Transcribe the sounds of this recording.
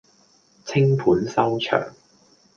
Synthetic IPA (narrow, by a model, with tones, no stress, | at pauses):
t͡sʰɪ˥ŋpʰuː˨˥nsɐ˥wt͡ʃʰœ̰ː˨˩ŋ